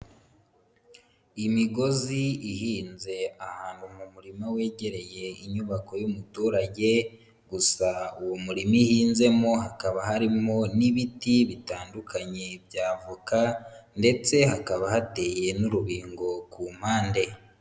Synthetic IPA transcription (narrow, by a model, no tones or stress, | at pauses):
imiɡo̞ziiɦiːnze̞ahaːn̥humumuɾimawe̞ːɟe̞ɾe̞je̞iɲuβako̞jumutuːɾaɟe̞ | ɡusauwomuɾimihiːnze̞mo̞ɦakaβaɦaɾimo̞niβitiβitaːndukʰaɲe̞bjaːvukande̞t͡se̞ɦakaβahate̞ːje̞nuɾuβiːŋɡo̞kum̥haːnde̞